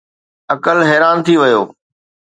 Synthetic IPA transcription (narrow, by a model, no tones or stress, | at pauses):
ɐkəlɦɛːɾaːnt̪ʰiʋɪjoː